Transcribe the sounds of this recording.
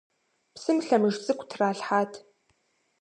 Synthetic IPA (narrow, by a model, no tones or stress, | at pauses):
psɨmɬɐmɨʒt͡sʼɨkʷʰʼtʰraːɬħaːtʰ